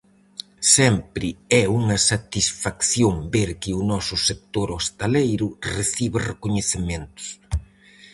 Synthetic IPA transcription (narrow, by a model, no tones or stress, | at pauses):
sɛmpɾɪɛuŋɐsat̪isfakθjombeɾkɪʊnɔsʊsek̚t̪oɾost̪alejɾʊreθiβɪrekoɲeθemẽnt̪ʊ̥s